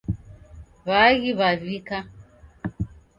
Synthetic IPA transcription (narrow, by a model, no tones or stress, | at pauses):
βaɣiβavika